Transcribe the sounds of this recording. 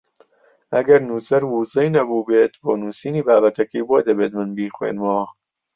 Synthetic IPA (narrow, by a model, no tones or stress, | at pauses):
æɡɐɾnuːzɐɾwuːzɛjnɐbuːbeːt̪bɔːnuːsiːniːbaːbɐt̪ʰɐkiːbɔːd̪ɐbeːt̪̚mɐnbiːxwḛːnwɔː